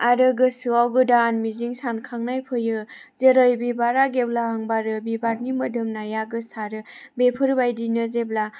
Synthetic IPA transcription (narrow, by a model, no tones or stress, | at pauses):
aɾɯɡɯsuawɡɯdaːnmiziŋsankʰaŋnajpʰɯjɯ | zeɾajbibaɾaɡewlaɦaŋbaɾɯbibaɾnimɯdɯmnajaɡɯsaɾɯbepʰɯɾbajdinɯzeb̚la